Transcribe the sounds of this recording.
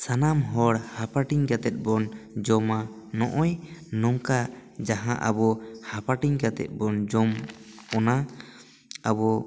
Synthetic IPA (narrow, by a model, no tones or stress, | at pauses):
sanamɦɔɽhapaʈiɲɡat̪ɛt̪̚ˀbɔnd͡ʒɔma | nɔ̰ʔɔjnɔŋkad͡ʒaɦã̰ʔa̰bɔhapaʈiɲɡat̪ɛ̰t̪̚ˀbɔnd͡ʒɔmɔna | abɔ